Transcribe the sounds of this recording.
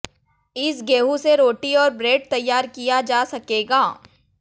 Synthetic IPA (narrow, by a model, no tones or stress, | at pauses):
ɪsɡeːɦũseɾoːʈiɔːɾbɾeːɖ̚t̪ɐjːaːɾkijad͡ʒaːsɐkeːɡaː